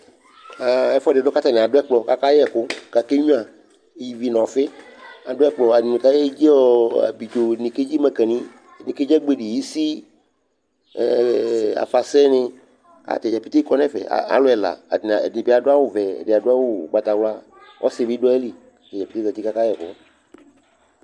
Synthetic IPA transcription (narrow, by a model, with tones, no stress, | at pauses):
a˨ɛ˦fɔ˦ɖe˨ɖɔ˦ka˦t̪a˨nẽ˨a˨dʊ˦ɛ˦k͡plɔ˨ka˦ka˦jɛ˦˨ko˦ka˨ke˦ɲũ˦a˨˦ | ji˨vi˨˦nɔ̃˨fe˦a˨ɖʊ˦ɛ˦k͡plɔ˨a˨nĩ˨ne˨ka˦je˦d͡ʒi˦ɔ˦a̰˨bi˨d͡ʒo˨nĩ˨ke˦d͡ʑi˦mɛ˨kɛ˨nĩ˦˨ | nĩ˨ke˦d͡ʒɛ˦ɡ͡be˦ɖi˨ji˦si˦˨ | a̰˨fa˨sɛ˦nɪ̃˧ | a̰˨t̪ɛ˨d͡ʒa˨pi˦t̪e˦kɔ˦nɛ̃˦fɛ̰˨a̰˨a̰˨˦lo˦ɛ˨la̰˨n̰˨nĩ˨bi˦a˨ɖʊ˦a˦wo˨vɛ̰˨da˨ɖʊ˦a˦wo˦˨ɡ͡ba˨t̪a˨wla˦ | wʔɔ̰˦sɪ˨bi˦ɖɔ˦e˦li˨ | t̪ɛ˨d͡ʒa˨pi̥˨˦t̪e˦za˨t̪i˦ka˦ka˦jɛ˨kʊ˦